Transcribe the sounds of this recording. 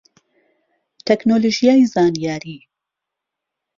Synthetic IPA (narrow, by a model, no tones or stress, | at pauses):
t̪ʰɛknoːloʒijaːjzaːnijaːɾiː